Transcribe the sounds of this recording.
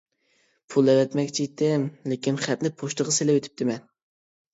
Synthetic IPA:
pʰulˠɛvɛt̪mɛkʲt͡ʃʰit̪ʰɪmlekʲinχæt̪nɪpʰoʃt̪əʁɑselɪwet̪ʰɪ̥p̚t̪ɪmɛn

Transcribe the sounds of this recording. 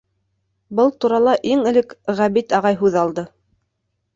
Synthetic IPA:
bɤlˠt̪uɾɑlˠɑʔiŋɘ̆lɘkʁæβit̪ɑʁɑjɦʉðɑlˠd̪ɤ

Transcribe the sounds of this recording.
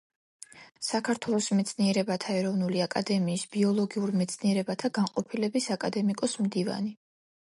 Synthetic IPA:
sakʰaɾt̪ʰwɛlˠɔsmɛt̪sʰniɛɾɛbat̪ʰaɛɾɔvnuliakʼa̰d̪ɛmiːsb̥iɔlˠɔɡiuɾmɛt̪sʰniɛɾɛbat̪ʰaɡaɴqʼɔpʰilɛbisakʼad̪ɛmikʼɔsmd̪iva̰ni

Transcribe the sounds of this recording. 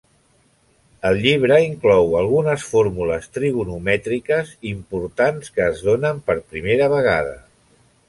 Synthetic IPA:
əlˠʎiβ̞ɾəiŋklɔwəlˠɣunəsfoɾmuləst̪ɾiβunumɛt̪ɾikəzimpuɾt̪anskəːzð̞onəmpəɾpɾimeɾəβ̞əɣ̞a̰ðə̰

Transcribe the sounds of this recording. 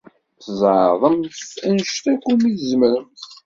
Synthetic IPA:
θəzˤʕðˤəmθænʃt̪ækːumiθzmɾəmθ

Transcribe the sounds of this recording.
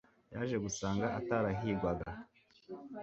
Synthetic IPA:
jaːʒe̞ɡusaːŋɡaʔataɾaɦiːɡwaɡa

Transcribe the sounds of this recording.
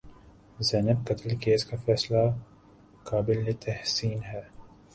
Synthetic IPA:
zɛːnəb̚kɐt̪əlkeːskafɛːsla | kaːbɪlːet̪ʰɛhsiːnɦɛː

